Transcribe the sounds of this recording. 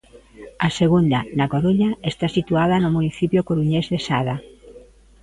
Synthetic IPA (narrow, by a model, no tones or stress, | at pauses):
aseɣund̪anakoɾuɲaest̪asit̪uaðanʊmuniθipjokoɾuɲezðesaða